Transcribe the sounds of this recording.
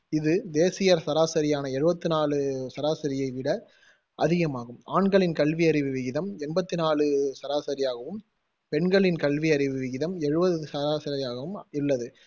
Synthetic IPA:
ɪðɯd̪eːsɪjɐɾsɐɾaːsɐɾɪjaːnɐɛɻɯbɐt̪ːɯnaːɭɯsɐɾaːsɐɾɪjɐɪʋɪɽɐ | ʔɐðɪɣɐmaːɣɯmaːɳɡɐɭɪnkɐɭʋiɐɾɪʋɯʋɪɣɪðɐmɛnbɐt̪ːɯnaːɭɯsɐɾaːsɐɾɪjaːɣɐʋɯm | pɛɳɡɐɭɪnkɐɭʋiɐɾɪʋɯʋɪɣɪðɐmɛɻɯbɐðɯsɐɾaːsɐɾɪjaːɣɐʋɯmɪlːɐðɯ

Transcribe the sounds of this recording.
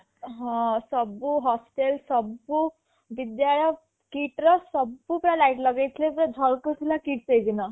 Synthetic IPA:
ɦɔ̃səbuɦɔsʈelsəbːu | ʋid̪jaɭə | kiʈɾəsəbːupɾalajiʈləɡet̪lepɾad͡zʱəlkət̪ʰilakiʈsejd̪ina

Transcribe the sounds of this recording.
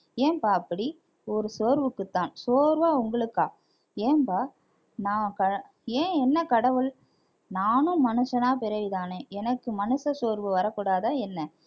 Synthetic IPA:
eːmpaːɐpːɐɽi | ɔɾɯsoːɾʋɯkːɯt̪ːãːnsoːɾʋaːʊŋɡɐɭɯkːaː | eːmpaː | nãːkɐ | ẽːɛnːɐkɐɽɐʋɯɭ | naːnɯ̃mɐnɯʂɐnaːpɪɾɐʋɪðaːnẽːɛnɐkːɯmɐnɯʂɐsoːɾʋɯʋɐɾɐkːuːɽaːðaːɛnːɐ

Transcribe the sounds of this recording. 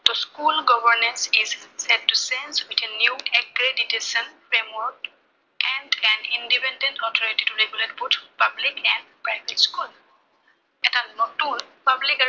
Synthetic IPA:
t̪oskulɡɔbəɹnẽnsizsɛd̚ːusẽnswitʰɛ̃njuɛkɾeditesə̃nfemɔɹk | ʔɛ̃nɖɛnĩnɖipɛ̃nɖẽntɔt̪ʰɔɹiʈitulebjulet̚bot̪ʰpablikɛ̃nɖpɹaɪbetskul | ɛtãnmɔtun | pablika

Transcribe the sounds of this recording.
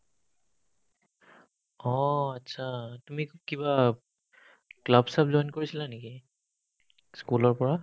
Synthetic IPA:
ɔatːsʰatumikiba | klabsapzɔjnkoɹisilaneki | skulɔɹpɔɹa

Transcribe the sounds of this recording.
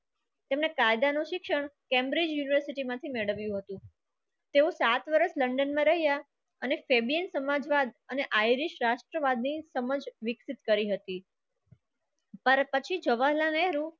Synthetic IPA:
t̪emnekajd̪anuʃɪkʃəɳkɛ̃mbɾid͡ʒjuniʋəɾsiʈimãt̪ʰimeɭəʋjũɦət̪ũ | t̪eũsat̪ʋəɾəsləɳɖənmãɾəɦja | ənefebiənsəmad͡ʒʋad̪əneʔajɾiʃɾaʃʈɾəʋad̪nisəməd͡ʒʋɪksit̪kəɾiɦət̪i | pəɾpət͡ʃʰid͡ʒəʋaɦlãnɛɾũ

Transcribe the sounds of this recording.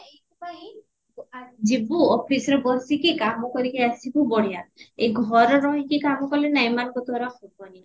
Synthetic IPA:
ekupaɦi | d͡ʒibuɔpʰisɔɾebɔsikikamɔkɔɾikaasibubɔɽiat̪eɡʱɔɾɔɾɔɦĩkikamɔkɔlenajmankɔt̪ɔɾakot̪ani

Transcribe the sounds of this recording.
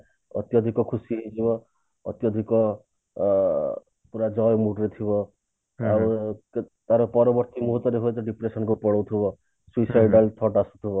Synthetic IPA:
ʌ̰t̪jʌd̪ʱikokʰusiɦĩd͡zibʌ | ʌ̰t̪jʌd̪ʱiko | puɾad͡zʌjmuʈret̪ʰibʌ | ab | t̪aɾopʌɾʌbʌrt̪imuɦut̪wʌɾeɦuet̪ʌɖipɾesʌnkopɔɽʌwt̪ʰubʌ | swisajɖalt̪ʰʌʈasut̪ʰubʌ

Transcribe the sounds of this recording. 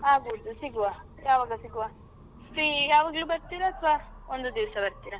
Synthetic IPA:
aɡud͡z̪usiɡuwa | jaʋaɡasiɡuwa | sijaʋɐɡlubɐɾt̪ːiɾat̪ʰʋa | ond̪ud̪iwsabɐɾt̪iɾa

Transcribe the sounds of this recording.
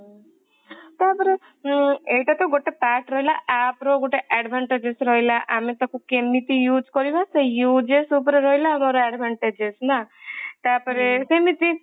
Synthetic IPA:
t̪aːpɔɾe | eʈat̪oɡoʈːepaʈɾɔɦilaʔaːpɾoɡoʈeʔɛɖbʱaɳʈed͡ʒesɾɔɦilaʔamet̪ɔkukemit̪ijuːd͡ʒkɔɾjibasejuːd͡ʒesup̬ɔɾeɾɔɦilanɔɾoɛɖbʱaɳʈed͡ʒesnat̪aːpɔɾesemit̪i

